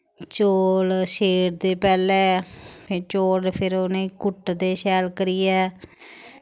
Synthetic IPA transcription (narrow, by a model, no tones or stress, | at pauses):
t͡ʃoːlʃeːɾd̪eːpɛːlɛːpʰɪt͡ʃoːɖpʰɪɾoːnẽːkʊʈd̪eːʃɛːlkəɾiːɛː